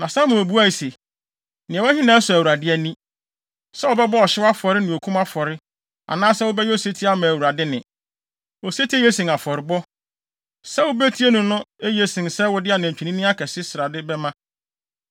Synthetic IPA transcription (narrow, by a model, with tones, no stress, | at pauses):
nã˨sa˦mʊ̃˨o˨bu˦a˦i˨se˨ | nɪ̃˨ɛ˨ɛ˦hɪ̃˦nãː˨˦sʊ˨æ˨wu˨ɾa˨dɪ˦ɛ˦nĩ˦ | sɛ˦ɔ˨bɛ˦bɔ˦ɔ˨ɕɪ˦a˦fɔ˨ɾɪ˦nɪ̃˨o˨kʰũ˦ma˦fɔ˨ɾɪ˦ | a̰˨nãː˦sɛ˦wʊ˦bɛ˦jɛ˦o˦se˦tʰi˦a˦mã˨æ˨wu˨ɾa˨dɪ˦nɪ̃˨ | o˨se˦tʰi˦e˦je˦sɪ̃˨ŋa˨fɔ˨ɾɪ˨bɔ˦ | sɛ˦wʊ˦be˦tʰi˦e˦nʊ̃˨nʊ̃˦e˦je˦sɪ̃˨nsɛ˦wʊ˦dɪ˦a˨nã˨t͡ɕᶣi˨nĩ˦nɪ̃˦a˦kʰɛ˨sɪ˦sɪ˨ɾa˨dɪ˦bɛ˦mã˦